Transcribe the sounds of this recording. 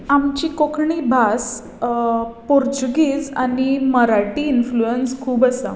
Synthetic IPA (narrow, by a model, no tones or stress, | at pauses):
amt͡ɕikokʰɳiːbʱas | poɾd͡ʑuɡiːd͡zaniməɾaʈiːnfluenskʰuːbəsə̰